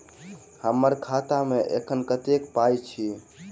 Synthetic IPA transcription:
həmːəɾkʰat̪ameʔḛkʰənkət̪ekpajt͡ʃʰi

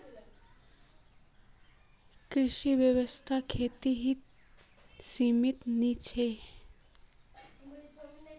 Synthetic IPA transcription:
kɾɪʃiʋjəʋəst̪ʰakʰeːt̪iɦi | siːmɪt̪nit͡ʃʰe

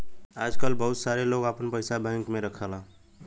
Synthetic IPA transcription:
aːd͡ʒkəlbəɦʊt̪saːɾeloːɡaːpənpəɪsabə̃ɪŋkmẽɾəkʰala

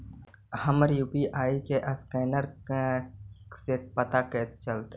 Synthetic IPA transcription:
həməɾjuːpiʔaːikeʔəskɛːnəɾ | sepət̪aket͡ʃəlt̪ː

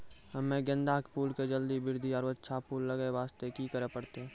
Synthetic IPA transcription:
ɦɐmːẽɡə̃nd̪aːkpuːlked͡ʒəld̪ibɪɾd̪ʱiɔːɾətːʃʰapuːlːəɡeʋaːst̪ekikəɾepəɽt̪eɦɛ̃ː

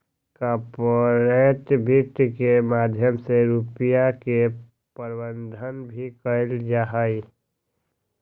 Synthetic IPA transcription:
kapoɾet̪bʱit̪kemad̪ʱjəmseɾupijake | pəɾbənd̪ʱənbʱikəɪld͡ʒaɦəi

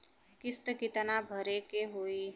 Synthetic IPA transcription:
kɪst̪əkit̪ənabʱəɾekeɦoːi

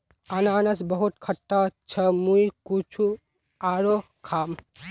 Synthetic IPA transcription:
anaːnəsbəɦut̪kʰəʈːat͡ʃʰemuikut͡ʃʰu | aːɾo | kʰaːm

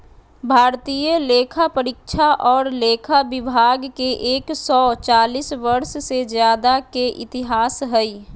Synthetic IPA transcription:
bʱaːɾt̪ijəleːkʰapəɾɪkʃʰaʔɔːɾleːkʰabɪbʱaːɡkeʔeːksɔːt͡ʃaːlisʋəɾssed͡ʒjaːd̪akeʔɪ̰t̪ɪɦaːsɦɛi

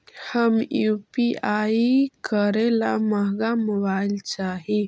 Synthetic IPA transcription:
həmjupiaikəɾela̰məɡamɔbajlt͡ʃaɦi

